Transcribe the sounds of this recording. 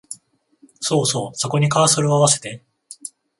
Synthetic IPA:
so̞ːso̞ːso̞ko̞ɲ̟ikaːsoɾɯ̟oaβase̞̥t̪e̞

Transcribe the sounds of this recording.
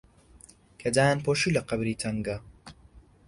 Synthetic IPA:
kʰed̪aːjanpoʃilɐqɐbɾiːt̪ʰɐŋɡɐ

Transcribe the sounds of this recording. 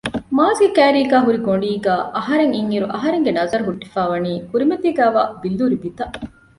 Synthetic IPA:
maːzɡekæːɾiːɡæːɦuɾiɡoɳɖiːɡæːʔɐɦɐɾeŋiŋːiɾuʔɐɦɐɾeŋɡenɐzɐɾuɦuʈːifaːʋɐniːkuɾimɐt̪iːɡæːʋaːbilːuɾibit̪ɐʔ

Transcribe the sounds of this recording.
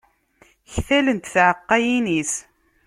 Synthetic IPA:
çθælənt̪θʕəqːæjinis

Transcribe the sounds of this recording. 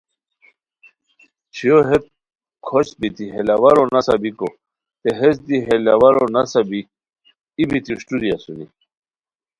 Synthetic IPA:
t͡ɕʰijoɦet̪̚ | kʰoɕbit̪iɦelawaɾonasabiko | t̪eɦesd̪iɦelawaɾonasabi | ibit̪iʂʈuɾiasunḭ

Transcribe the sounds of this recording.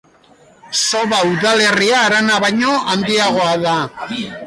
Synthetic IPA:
so̞βauðale̞riaːɾanaβajɲo̞and̪iaɣ̞o̞aða

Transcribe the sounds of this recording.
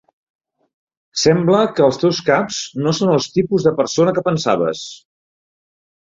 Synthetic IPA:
sɛmbləkəːlˠst̪ewskapz̥nosonəlˠst̪ipuzðəpəɾsonəkəpənsa̰βə̰s

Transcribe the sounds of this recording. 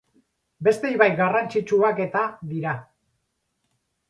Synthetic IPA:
be̞st̪ejβajɡarant͡ʃit͡ʃuake̞t̪aðiɾa

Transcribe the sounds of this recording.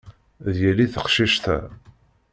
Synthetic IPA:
ðjəlːiθəqʃiʃθæ̰

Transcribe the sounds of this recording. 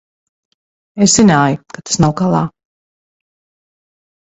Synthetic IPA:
esz̥inaːjukat̪ḁsnawkalˠaː

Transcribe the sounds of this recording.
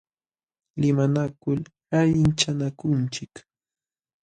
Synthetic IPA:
lɪmanakʊlhaʎɪnt͡ʃanakʊnt͡ʃɪk

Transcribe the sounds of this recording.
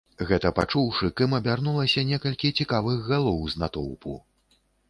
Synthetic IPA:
ɣɛt̪ɐpa̰t͡ʂuwʂɨkɨmɐbʲarnulˠɐsʲɐnʲɛkɐlʲkʲit͡sʲikavɨɣɣalˠɔwznat̪ɔ̰wpʰṵ

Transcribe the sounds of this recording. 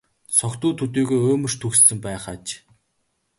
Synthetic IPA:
sɔkt̪uːt̪ʰɵt̪iːɣeːoːmɵ̆rt̪ʰɵkssɘ̆mpæːχaːt͡ɕ

